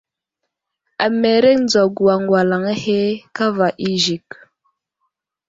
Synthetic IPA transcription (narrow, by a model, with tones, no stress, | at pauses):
a˨me˨ɾe˦n˦d͡za˨ɡu˨wa˨ŋɡwa˨la˨ŋa˦he˦ka˦va˨ʔi˦ʒi˨k